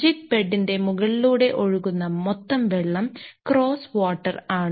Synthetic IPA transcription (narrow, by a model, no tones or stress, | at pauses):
d͡ʑik̚peɖːinde̞muɣɐɭiluːɽe̞ʔo̞ɻuɣunːɐmot̪ːɐmʋeɭːɐmkro̞ːsʋoːʈːɐraːɳ